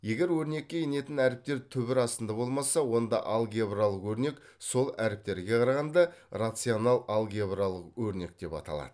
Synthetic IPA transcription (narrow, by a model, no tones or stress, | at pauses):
je̞ɡʲe̞ɾwɵɾne̞kʲːe̞jene̞t̪ɪnæɾɪp̚t̪e̞ɾt̪ʰʏbɪɾɑst̪ənd̪ɑbo̞lˠmɑsɑwo̞nd̪ɑʔɑlˠɡʲebralˠəqwɵɾne̞k | so̞lˠæɾɪp̚t̪e̞ɾɡʲe̞qʰɑɾɑʁɑnd̪ɑrat̪sɨjonɑlˠɑlˠɡʲebralˠəqwɵɾne̞k̚d̪̥e̞pɑ̰t̪ɑ̰lˠɑ̰d̪̥əə